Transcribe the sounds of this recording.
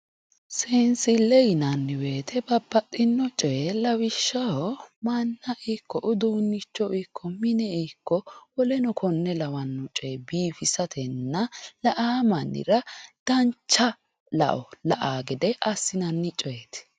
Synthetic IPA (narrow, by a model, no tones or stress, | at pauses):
seːnsɪlɛjɪnɐnːɪwe̞ːt̪ʰɛbɐbːɐt̪ʼːɪnːɔt͡ʃʼɛlɐwɪʃːɐɔmɐnːɐʔɛkːɔʔʊd̪uːnːɪt͡ʃːɔɪkʰːɔmɪnɛɛkːɔwɔlɛnɔkʰɔnːɛlɐwɐnːɔt͡ʃʼebiːfɪsɐt̪ʰɛnːɐlɐʔaːmɐnːɪ̰ɾɐd̪̥ɐnt͡ʃːɐ | lɐ̰ʔɔlɐʔaːɡɪd̪ɛʔɐsːɪnɐnːɪt͡ʃʼɔet̪